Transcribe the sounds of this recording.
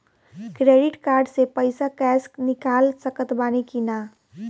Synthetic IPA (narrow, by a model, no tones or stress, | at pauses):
kɾeːɖɪʈkaːɾɖsepəɪsakɛːsknɪkaːlsəkət̪baːnikinaː